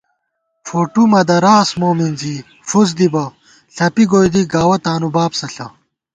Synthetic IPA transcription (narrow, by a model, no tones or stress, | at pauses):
foːʈumɐd̪ɐɾaːsmoːminzi | fuz̬d̪ibɐ | ɬɐpiɡoːjd̪iɡaːwɐt̪aːnubaːpsɐɬɐ